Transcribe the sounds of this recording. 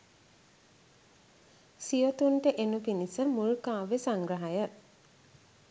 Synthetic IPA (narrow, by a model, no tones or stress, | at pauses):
sijot̪uɳʈəʔenupinisəmulkaːʋesaŋɡɾəɦajə